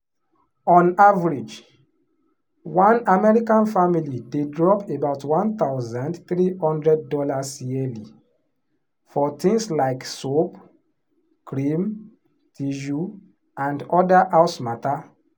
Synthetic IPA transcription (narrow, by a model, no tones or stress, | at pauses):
ɔ̃navɹid͡ʒ | wãnamɛɹikãnfamilidedɹɔpebaʊtʰwãnt̪aʊzãndθɹihɔ̃ndɹɛd̚dɔlasjɛli | fɔt̪ĩŋslaɪksop | kɹĩm | tʰiʒu | ʔãndɔdaʔaʊsmata